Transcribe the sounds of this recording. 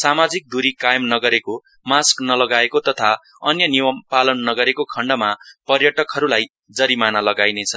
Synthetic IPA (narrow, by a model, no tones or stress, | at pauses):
samad͡zik̚d̪uɾikajʌmnʌɡʌɾeko | masknʌlʌɡaekot̪ʌt̪ʰa | ʌnjʌniwʌmpalʌnːʌɡʌɾekokʰʌɳɖʌmapʌrjʌʈʌkɦʌɾulaj | d͡zʌɾimanalʌɡajnet͡sʰʌ